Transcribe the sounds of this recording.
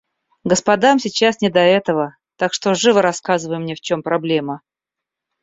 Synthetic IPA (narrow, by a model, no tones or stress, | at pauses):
ɡəspɐd̪amsʲɪt͡ɕasnʲɪd̪ɐɛt̪əvə | t̪akʂt̪o̞ʐɨvəɾɐskazɨvəjɪmnʲeft͡ɕo̞mpɾɐblʲe̞mə